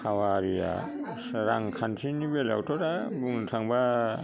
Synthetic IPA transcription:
hawaɾija̰ | saɾaŋkʰansinibela̰wtʰɔɾabuŋsʰaŋba

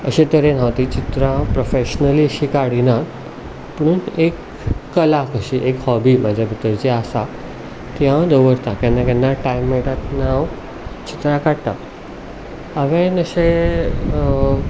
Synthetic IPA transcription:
əɕẽt̪əɾẽn̤aʋt̪it͡ɕit̪ɾãpɾofeɕnəliəɕikaɽinat | pəɽ̃uːnekː | əlakəɕiʔekhɔbimad͡ʑʱabʱit̪ːəɾt͡ɕiasa | t̪iɦãd̪əʋəɾt̪ãkjanːakanːaʈajmːɛʈat̪n̤aw | t͡ɕit̪ɾãkaɽt̪a̰ | aʋẽnəɕe

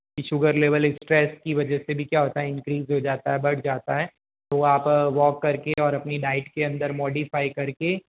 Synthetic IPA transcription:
kiʃʊɡəɾleːʋəlɪsʈɾɛːskiʋɐd͡ʒɛsebʱikjaːɦoːt̪aɦɛɪ̃ŋkɾiːzɦod͡ʒaːt̪aɦɛbɐɽd͡ʒaːt̪aɦɛː | t̪oaːpʋɔːkːɐɾkeɔːɾɐpniɖaːɪʈkeɐ̃nd̪əɾmɔːɖifaːikɐɾke

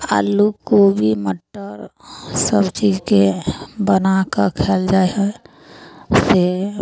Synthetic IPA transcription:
a̰lːukobʱiməʈːəɾsəbt͡ʃiːzkebənakakʰeːld͡ʒaːeɦɛ | se

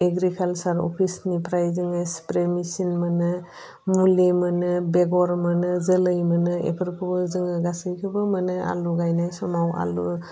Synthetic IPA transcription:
eɡɾikʰalsaɾɔ̰pʰisnipʰɾajzɯŋaspɾemisinmanɯ | mulemanɯbeɡɔɾmanɯzəlɯjmənɯḛpʰɯɾpʰɯzɯŋɯɡasɯjkʰɯbɯmanɯa̰luɡajnajsɔmawa̰lu

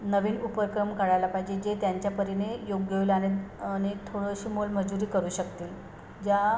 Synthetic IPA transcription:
nəʋiːnupəɾkɾəmkəɽajlapaɦid͡ʑed͡ʑet̪jaɲt͡ɕjapəɾinejoɡjəʋilaneñit̪ʰoɽəɕiːmolməd͡zuɾiːkəɾuːɕəkt̪iːl | d͡ʑa

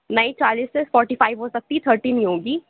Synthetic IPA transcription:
nɐit͡ʃaːliːsesfɔːɾʈifaːɪʋɦoːsɐk̚t̪it̪ʰəɾʈinĩɦoːɡiː

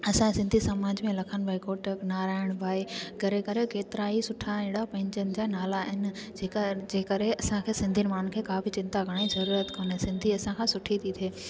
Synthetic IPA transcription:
ɐsãsɪ̃nd̪ʱisɐmaːd͡ʑmẽlɐkʰəñbʱaːikoːʈəknaːɾaːɪɽ̃bʱaːikɐɾekɐɾekeːt̪ɪɾaɦisʊʈʰaɪ̃ɽapɐ̃ɦɪ̃ɲd͡ʑənɪ̆d͡ʑaːnaːlaɪnɪ̆ | d͡ʑeːkɐɾeɐsãkʰeːsɪ̃nd̪ʱiənɪ̆maːnkʰeːkaːfit͡ɕɪ̃nt̪aɡʱɐɽ̃aːizɐɾuːɾət̪koːnesɪ̃nd̪ʱiɐsãkʰãsʊʈʰit̪ʰit̪ʰeː

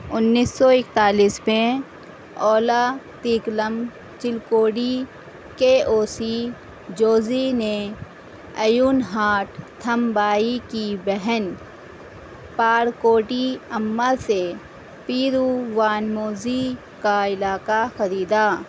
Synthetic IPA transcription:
ʊnːiːsːɔɪk̚t̪aːliːsmẽ | ɔːlat̪iːkləm | t͡ʃɪlkoːɽi | keːʔoːsi | d͡ʒoːzine | ɐjuːnɦaːʈt̪ʰəmbaːikibɛɦɛn | paːɾkoːʈiəmːase | piːɾuʋaːnmoːzi | kaɪlaːkaxɐɾiːd̪aː

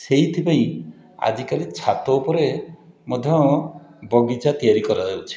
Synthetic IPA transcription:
seɦit̪ʰipãĩ | a̰d͡ʒikalit͡ʃʰat̪ɔupɔɾe | mɔd̪ʱjɔ | bɔɡid͡ʒat̪ijaɾikɔɾad͡ʒawt͡ʃʰi̥

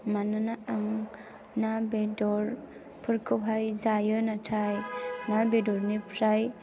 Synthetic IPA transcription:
manɯnaaŋ | nabedɔɾ | pʰɯɾkʰɯpɦajzajɯnatʰajnabedɔɾnipʰɾaj

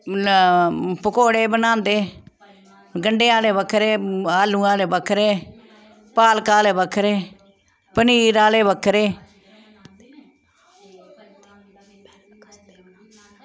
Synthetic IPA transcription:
pəkoːɽeːbənãːnd̪eː | ɡəɳɖeːaːleːbəkʰɾeːaːlũːaːleːbəkʰɾeː | paːlkaːleːbəkʰːɾeː | pəniːɾaːleːbəkʰːɾeː

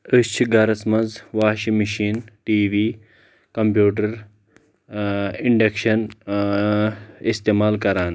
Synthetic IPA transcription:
əst͡ʃʰiɡɐɾɐsmɐnzʋaːʃimiʃiːnʈiːʋiː | kɐmpjuːʈ̬ɐɾ | iɳɖekʃɐn | ist̪eːmaːlkɐɾaːn

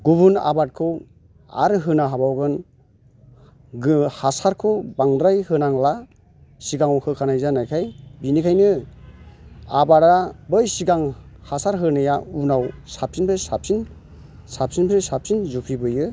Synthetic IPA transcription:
ɡubuna̰bat̚kʰɯw | a̰ɾɯɦɯnaɦabawɡɯn | hasaɾkʰɯbaŋdɾajhɯnaŋla | siɡaŋɔkʰɯkʰanajzanajkʰajbinikʰajnɯ | abaɾabɯjsiɡaŋhasaɾɦɯnɯjaunawsap̚sinpʰɯsap̚sin | sap̚sinpʰɾɯsap̚sinzupʰɾibɯjɯ

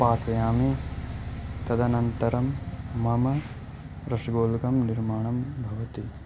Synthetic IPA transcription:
paːt̪ɐjaːmi | t̪ɐd̪ʱɐnɐnt̪ɐɾɐmːɐmɐ | ɾɐʂiɡoːlkɐmniɾmaːɳɐmbʱɐʋɐt̪i

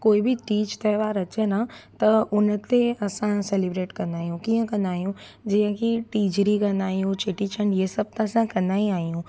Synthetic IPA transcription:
koːibɪtiːd͡ʑt̪ɐʋaːɾɐt͡ɕenat̪ɐʊnə̆t̪eɐsãselɪbɾeːʈkɐ̃nd̪aːijũkiːə̃kɐ̃nd̪aːɦijũd͡ʑiːə̃kʰiʈiːd͡ʑɾikɐ̃nd̪aːɦijũt͡ɕʰeʈit͡ʃʰənjesɐb̚t̪ɐsãkɐ̃nd̪aːiaːɦijũ

